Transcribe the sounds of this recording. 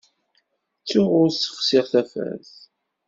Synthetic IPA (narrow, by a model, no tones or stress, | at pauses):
t͡sːʊʁʊɾsə̥χsɪʁθæfæ̰θ